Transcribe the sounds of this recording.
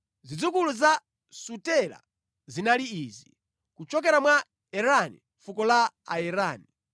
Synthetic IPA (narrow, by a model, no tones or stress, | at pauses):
zid͡zukuluza | sutɛla̰ | zinaliiːzi | kut͡ʃɔk̬ɛɾamwa | ɛɾanḭɱfukɔla | a̰ɛɾaːni